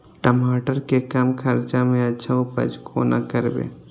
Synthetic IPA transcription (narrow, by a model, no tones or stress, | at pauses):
ʈəmaːʈəɾkekamkʰəɾt͡ʃamẽɐtːt͡ʃʰaopə̰d͡ʒkʰoːna̰kəɾbḛː